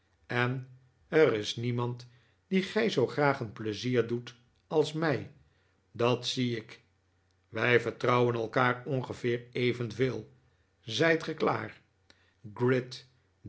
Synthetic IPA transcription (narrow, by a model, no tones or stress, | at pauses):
ɛn | ərɪsnimɑnt | d̥iχɛjzowχraːχənpləziːɹdut | ɑlˠsmɛj | dɑtsiɪk | ʋɛjvəɹtrɑwənɛlˠkaːɹɔnχəvɪːɹejvənveːlˠ | zɛjtχɛkla̰ːr | ɡrɪt